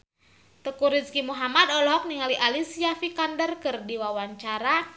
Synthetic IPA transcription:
t̪əkuɾiskimuɦamadɔlɔɦɔk̚niŋaliʔalisijafikandərkɨrdiwawaɲt͡ʃaɾa

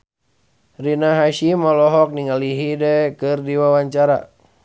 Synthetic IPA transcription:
rinaɦaʃimɔlɔɦɔk̚niŋaliɦidɛkɨrdiwawaɲt͡ʃaɾa̰

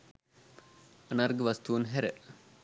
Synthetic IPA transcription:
ɐnarɡəʋast̪uunɦæɾə

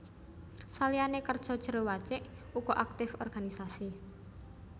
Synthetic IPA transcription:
salianekərd̥ʒ̥ɔ̤d̥ʒ̥ə̤ɾowat͡ʃɪʔ | ukɔʔak̚t̪ɪfɔ̰rɡ̥anisasi

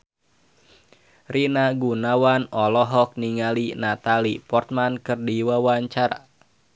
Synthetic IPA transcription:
rinaɡunawanɔlɔɦɔk̚niŋalinat̪alipɔrt̪̚mankɨrdiwawaɲt͡ʃara̰

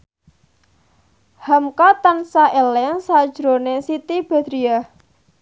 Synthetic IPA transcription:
hamkat̪ansaʔelɛnsad̥ʒ̥ɾonesit̪ib̥a̤d̪̥ɾia

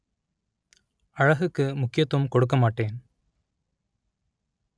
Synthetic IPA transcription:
ɐɻɐɣɯkːɯmʊkːɪjɐt̪ːoːmkɔɽɯk̬ːɐmaːʈːeːn

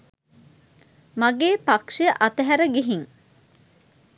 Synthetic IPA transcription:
maɡeːpakʂeʔɐt̪əɦæɾəɡiɦiŋ

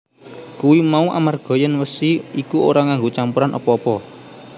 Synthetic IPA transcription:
kuwimauʔa̰marɡ̥ɔ̤jənwəsiikuoɾaŋaŋɡot͡ʃampuɾanʔɔ̰pɔːpɔ

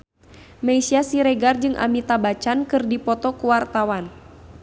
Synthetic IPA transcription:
maisiasiɾɛɡard͡ʒɨŋʔa̰mit̪abat͡ʃankɨrdipɔt̪ɔkuwart̪awan

